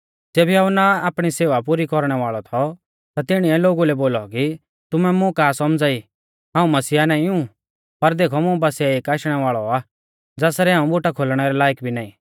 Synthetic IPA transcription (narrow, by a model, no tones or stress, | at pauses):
d͡zeːbiaːʊnaaːpɽ̃iseːʋapuɾikɔɾɽ̃ɛʋaːɭɔt̪ʰɔ | t̪at̪ɪɽ̃iɛloːɡulɛboːlɔki | t̪ʊmɛmʊ̃kaːsɔmd͡zaːi | ɦãːũmɐsiːanaːĩũ | pɐɾd̪eːkʰɔmʊ̃bɐsiaeːkaːʃɽ̃ɛʋaːɭɔaː | d͡zɛːsɾɛaːũbʊʈakʰoːlɽ̃ɛɾɛlaːjkbʱinaːĩ